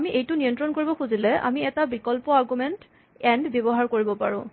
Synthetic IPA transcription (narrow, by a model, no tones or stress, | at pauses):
amiʔejtʊnijɔntɹɔnkoɹibɔkʰuzilɛʔa̰miɛtabikɔlpɔaɹɡumɛnt | ɛndbebɔɦaɹkoɹibɔpaɹʊ̰̃